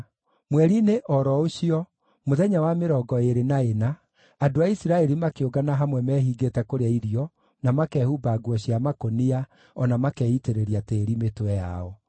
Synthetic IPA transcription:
mwɛɾineʔɔɾɔoɕiɔ | moðɛɲawameɾɔɡɔeɾenaenaː | doaisiɾaɛɾimakeoɡanaɦamwɛmɛɦiɡetɛkoɾeaiɾiɔ | namakɛːhubaːɡwɔɕiamakonia | ɔnamakɛiteɾeɾiateːɾimetowɛja̰ɔ

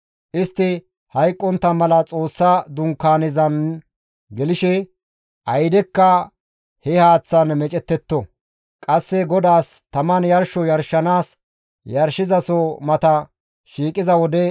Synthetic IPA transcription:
ʔɪst̪ːɪ | hɐjkʼːɔnt̪ːɐmɐlɐt͡sʼo̞ːsːad̪ʊŋkːaːnɪzɐn | ɡɛlɪʃɛ | ʔɐjd̪ɛkːɐ | hɛhaːt͡sːɐnmɛt͡ʃʼɛt̪ːɛt̪ːɔ | kʼɐsːɛɡɔd̪aːst̪ɐmɐnjɐɾʃɔjɐɾʃɐnaːs | jɐɾʃɪzɐsomɐt̪ɐ | ʃiːkʼɪzɐwɔd̪ɛ

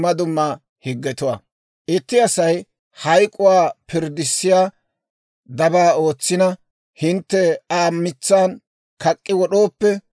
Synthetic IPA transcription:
mːɐd̪ʊmːɐ | hɪɡːɛt̪ʊwa̰ː | ʔɪt̪ːɪɐsɐj | hɐjkʼːʊwaːpɪɾd̪ɪsːɪjaː | d̪ɐbaːo̞ːt͡sːɪnɐ | hɪnt̪ːɛaːmːɪt͡sːaːn | kɐkʼːɪwɔɗo̞ːpːɛ

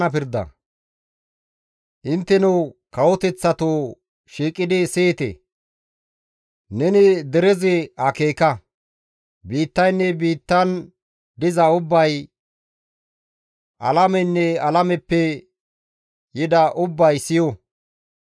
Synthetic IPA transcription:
nɐpɪɾd̪ɐ̰ | ʔɪnt̪ːɛnɛwkɐwɔt̪ɛt͡sːɐt̪oː | ʃiːkʼːɪd̪ɪseːt̪ḛ | nɛnɪd̪ɛɾɛzɛɐkeːkɐ | biːt̪ːɐjnːɛbiːt̪ːɐn | d̪ɪzɐʊbːɐj | ʔɐ̰lɐmɛnːɛɐlɐmɛpːɛ | jɪd̪ɐʔʊbːɐjsɪjɔ

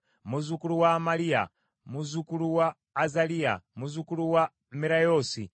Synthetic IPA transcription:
muzukuluwamalija̰ | muzukuluwaː | zalia̰muzukuluwa | miɾajosḭ

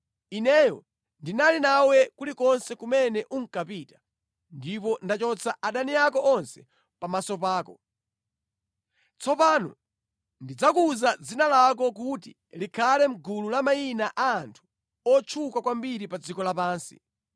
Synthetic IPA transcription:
inɛjɔ | ndinalinawɛkulikɔnsɛkumɛnɛʔuŋ̩kapiːtḁ | ndipɔndat͡ʃɔt͡sʰaʔaɗaniakɔʔɔnsɛ̥ | pamasɔpaːkɔ | t͡sʰɔpaːnɔ̰ | ndid͡zakuzad͡zinalak̬ɔk̬utḭ | likʰalɛm̩ɡululamainaʔaːntʰu̥ | ɔt͡ʃʰukakwambiɾipad͡zikɔlapaːnsḭ

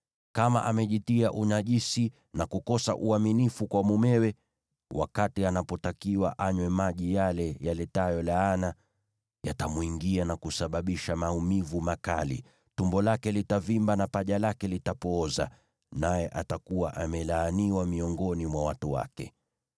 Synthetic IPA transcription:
kama̰ʔamɛʄitiaʔuɲaʄisi | nakukɔsa̰ʔuaminifukwamumɛwɛ | wʔa̰katianapɔtakiwa̰ʔaɲwɛmaʄijalɛjalɛtajɔlaana | ja̰tamuiŋɡianakusaɓaɓiʃamaumivumaka̰lḭ | tumbɔlakɛlitavimbanapaʄalakɛlitapɔːza̰ | najɛʔatakuwaʔamɛlaːniwamiɔŋɡɔnimwawatuwa̰kɛ̰

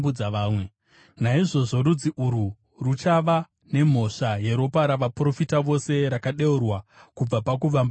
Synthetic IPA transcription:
ud͡zaʋaːmwe | naiʐo̞ʐo̞ɾud͡ziʔuɾu | rut͡ʃaʋa | ne̞m̤o̞ʂaje̞ɾo̞paɾaʋapro̞fitaʋo̞se̞ɾakaɗe̞urwakub͡vapak̬uʋamb

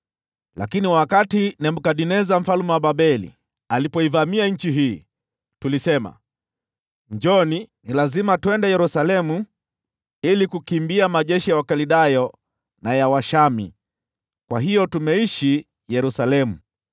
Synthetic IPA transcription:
la̰kiniwakatinɛm̩kaɗinɛzam̩falumɛwaɓaɓɛlḭ | alipɔivamiaɲ̩t͡ʃiɦiː | tulisɛma̰ | ɲd͡ʒɔninilazimatuwɛndɛjɛɾusalɛmu | ilikukimbiamaʄɛʃijawakaliɗajɔ | najawaʃamḭ | kwaɦijɔtumɛiʃi | jɛɾusalɛmu

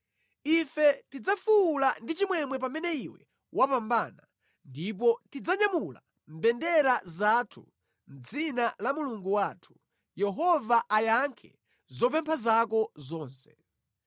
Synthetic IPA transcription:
ifɛtid͡zafuulandit͡ʃimwɛmwɛp̬amɛnɛiwɛ̰ | wapambaːna | ndip̬ɔtid͡zaɲamula̰ | m̩bɛndɛɾazatʰu̥ | m̩d͡zinalamuluŋɡuwaːtʰu̥ | jɛɦɔvaʔajaŋkʰɛ̰ | zɔp̬ɛmpʰazakɔzɔːnsɛ̥

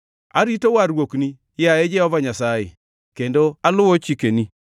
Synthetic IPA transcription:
a̰ɾitowaɾwokni | jaed͡ʒɛɔvaɲasajɪ̰ | kendoalʊwot͡ʃikeni

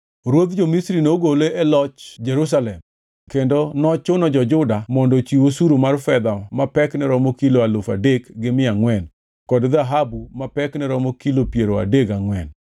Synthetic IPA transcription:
ɾwod̪d͡ʒomisɾinoɡoleʔɛlɔt͡ʃd͡ʒɛɾus̬alɛm | kendonɔt͡ʃʊnɔd͡ʒɔd͡ʒʊdamɔndɔt͡ʃiwosuɾumarfɛd̪amapɛknɛɾɔmokiloalofa̰dekɡɪmɪaŋwɛn | kɔdd̪aɦabumapɛknɛɾɔmokilopjeɾoa̰deɡaŋwɛn

